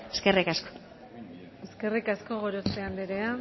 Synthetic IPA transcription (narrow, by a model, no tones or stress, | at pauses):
eskerikasko̥ | eske̞rikasko̞ɣoɾoseand̪eɾea